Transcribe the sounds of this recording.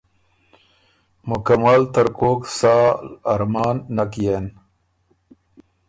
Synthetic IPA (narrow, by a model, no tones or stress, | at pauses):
mʊkamalt̪əɾkoːksaːɾmɑːnːakijen